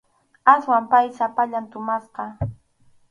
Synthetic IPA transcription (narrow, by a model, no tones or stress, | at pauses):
aswampajsapaʎant̪ʊmasqɑ